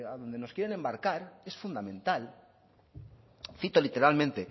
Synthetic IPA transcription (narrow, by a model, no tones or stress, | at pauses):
aðo̞nd̪e̞no̞skjeɾe̞ne̞mbaɾkaɾe̞sfund̪amẽ̞nt̪al | θit̪olit̪e̞ɾalmẽ̞nt̪e̞